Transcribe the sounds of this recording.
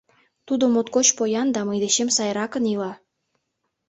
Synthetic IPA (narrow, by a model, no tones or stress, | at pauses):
t̪ud̪omot̪kot͡ɕpojɑnd̪ɑmɤjd̪eɕemsɑjɾɑkə̆nilɑ